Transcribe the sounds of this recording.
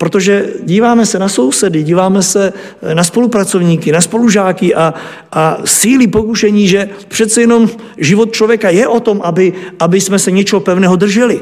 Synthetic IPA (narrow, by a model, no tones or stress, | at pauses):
pɾot̪oʒɛɟiːvaːmɛsɛnaso̞wsɛdɪɟiːvaːmɛsɛ | naspo̞lupɾat͡sovɲiːkɪnaspo̞luʒaːkɪʔa | ʔasiːlipo̞kuʃɛɲiːʒɛpr̝̥ɛt̪t͡sɛjɛno̞m | ʒɪvot̪̚t͡ʃlovjɛkajɛʔo̞t̪o̞mʔabɪʔabɪsmɛsɛɲɛt͡ʃɛɦopɛvnɛːɦo̞d̪r̩ʒɛlɪ